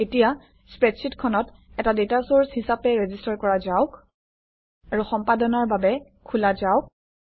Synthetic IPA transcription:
etija | spɹɛtsitkʰɔnɔt | ɛtadetasoɹshisapɛɹezistɔɹkɔɹazaʊk | aɹuxɔmpadɔnaɹbabɛ | kʰulazaʊk̚

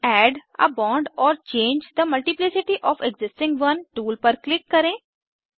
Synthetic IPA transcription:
ɛːɖə̰bɔ̃ːɳɖɔːɾt͡ʃẽːnd͡ʒd̪əmɐlʈiplɪsɪʈiʔɔːfeɡzɪsʈɪ̃ŋɡʋɐ̃nʈuːlpɐɾklɪkːɐɾẽː

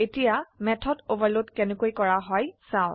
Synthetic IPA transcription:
etijamɛtʰɔdovəɹlodkɛnekojkɔɹaɦɔjsãw̃

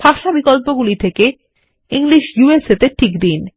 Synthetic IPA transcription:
bʱaʃabikolpoɡulit̪ʰeke | iŋliʃjueset̪eʈʰikd̪in

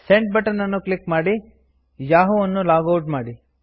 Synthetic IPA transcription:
seɳʈ̚bɐʈɐnːɐnːuklikmaːɽi | d͡ʒaːɦuɐnːulaːɡɐwʈ̚maːɽi

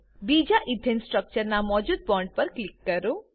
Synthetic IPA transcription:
bid͡ʒaʔid̪ʱənsʈɾək̚t͡ʃəɾnamɔd͡ʒud̪̚pɔɳɖ̚pəɾklikːəɾo

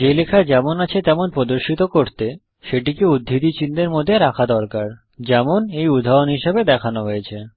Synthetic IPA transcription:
d͡ʑelekʰad͡ʑɛmonat͡ɕʰet̪ɛmonpɾod̪oɾʃit̪okoɾt̪e | ʃeʈikeud̪ʱːid̪it͡ɕint̪eɾmod̪ʱːeɾakʰad̪ɔɾkaɾ | d͡ʑɛmonejud̪ʱaonɦiʃebed̪ɛkʰanoɦojet͡ɕʰe

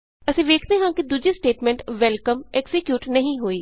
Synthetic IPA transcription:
əsĩːʋeːkʰd̪eːɦãːkɪd̪uːd͡ʒeːsʈeːʈmɛ̃ːɳʈʋɛlkəmɛksekjuːʈnəɦĩːɦoːiː

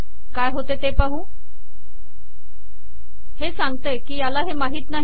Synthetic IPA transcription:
kajɦot̪et̪epaɦũ | hesãŋɡ̚t̪ekiːjalaɦemaɦiːt̪naɦ

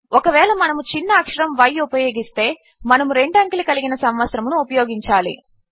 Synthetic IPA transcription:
ɔkɐʋɛːlɐmɐnɐmut͡ʃinːɐːkʂɐɾɐmʋɐjːuupɐjo̞ːɡist̪e̞ː | mɐnɐmuɾe̞ɳɖɐŋkilikɐliɡinɐsɐmʋɐt̪sɾɐmnuːpɐjoːɡiɲt͡ʃaːlḭ

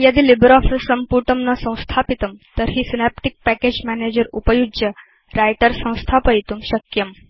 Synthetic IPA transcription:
jad̪iːlibɾɔfɾɐsɐmpuʈɐmnasɐ̃w̃st̪ʰaːpit̪ɐmt̪əɾɦiːsinapʈik̚pæked͡ʑmæned͡ʑəɾupəjud͡ʒjə | ɾajʈəɾsɐ̃w̃st̪ʰapəjt̪umɕɐkjɐm

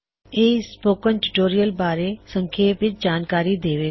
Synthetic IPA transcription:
eːspoːkə̃nʈʊʈoːɾijəlbaːɾeːsəŋkʰeːʋɪt͡ʃd͡ʒaːnkaːɾiːd̪eːʋeː

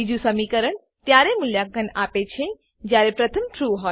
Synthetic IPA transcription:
id͡ʒũsɐmiːkəɾən | t̪jaːɾemʊljakənaːpet͡ʃʰe | d͡ʒjaːɾepɾɐt̪ʰəmʈɾuːɦɔː

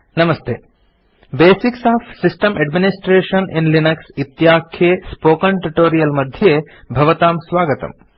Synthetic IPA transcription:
nɐmɐst̪ʰḛː | beːsiksaːfsisʈɐmʔɐɖminisʈɾeːʃɐnḭ̃nlinɐksit̪jaːkʰjespoːkɐɳʈuʈoːɾijɐlmɐd̪ʱjeːbʱɐʋɐt̪aːmsʋaːɡɐt̪ɐ̰̃m

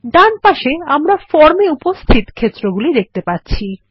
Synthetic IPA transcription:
ɖanpaʃeamɾafɔɾmeupost̪ʰit̪kʰet̪ːɾoɡulid̪ek̚t̪epatːɕʰi

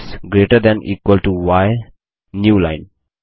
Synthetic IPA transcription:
sɡɾeːʈəɾd̪ɛ̃nḭːkwəlʈuʋaɪ | njuːlãɪ̃n

